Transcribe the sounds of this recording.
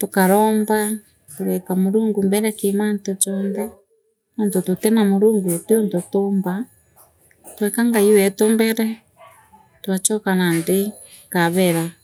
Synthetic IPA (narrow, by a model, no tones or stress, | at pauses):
tokaɾɔːmba | toɾɛkamoɾuːŋɡumbɛɾɛkemantot͡ʃɔnðɛ | nontototɛnamoɾuːŋɡuteontotomba | twɛkaŋɡaiwɛtombɛɾɛ | twat͡ʃɔkanande | kaβɛɾa